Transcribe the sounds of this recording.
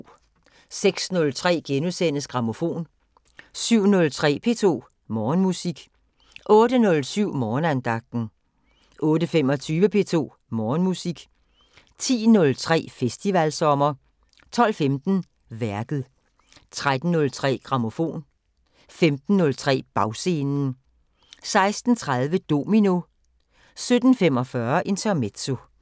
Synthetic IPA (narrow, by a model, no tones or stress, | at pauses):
seɡ̥snɔ̽lt͡sʰʁɛ̰ːɡ̥enusen̰əsɡ̥ʁɑ̈mo̝fo̝̰ːn | syʊ̰nɔ̽lt͡sʰʁɛ̰ːpʰe̝̰ːt͡sʰo̝̰ː | mɒːnmusiɡ̥ | ʔɔ̽ːdənɔ̽lsyʊ̰mɒːnænd̥ɑ̈ɡ̥̚d̥n̩ | ʔɔ̽ːdəfem̰ɒ̽t͡sʰyːʋəpʰe̝ːt͡sʰo̝̰ː | mɒːnmusiɡ̥ | t͡sʰḭːnɔ̽lt͡sʰʁɛ̰ːfesd̥iʋælsɒ̽mɐ | t͡sʰɒ̽l̰femd̥n̩ | ʋæɐɡ̥ð̞̩ˠ | t͡sʰʁad̥n̩ːɔ̽lt͡sʰʁɛ̰ːɡ̥ʁɑ̈mo̝fo̝̰ːn | femd̥n̩ːɔ̽lt͡sʰʁɛ̰ːb̥ɑ̈ʊse̝ːnn̩ | sɑ̈ɪsd̥n̩t͡sʰʁað̞ˠʋəd̥o̝mino̝ | sød̥n̩femɒ̽fɶɐʔe̝nt͡sʰæɐmed̥so